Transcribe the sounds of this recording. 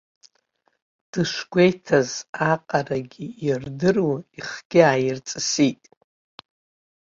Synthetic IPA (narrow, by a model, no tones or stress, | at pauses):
d̥ɨʂɡʷejtʰazaqʼaraɡʲiirdɨruiχɡ̥ʲɪaːjɪrt͡sʼɨsitʼ